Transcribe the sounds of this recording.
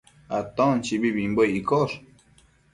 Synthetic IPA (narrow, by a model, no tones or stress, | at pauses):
at̪ont͡ʃiβiβimbojikoɾ